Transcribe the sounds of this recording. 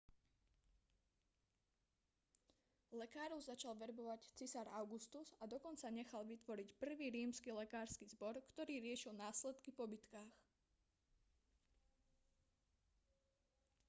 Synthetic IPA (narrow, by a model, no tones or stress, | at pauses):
lɛkaːɾɔʊzat͡ʃalʋɛɾbɔʋact͡sisaɾaʊɡust̪uzad̪ɔkɔnt͡saɲɛxalʋit̪ʋɔɾicpr̩ʋiːɾiːmskilɛkaːɾskiːzbɔɾkt̪ɔɾiːɾɪɛʃilnaːslɛt̪kipɔbit̪kaːx